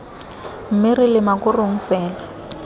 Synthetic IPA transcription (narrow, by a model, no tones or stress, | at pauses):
m̩mɪrɪlɪmakʊroŋ̩fɛːla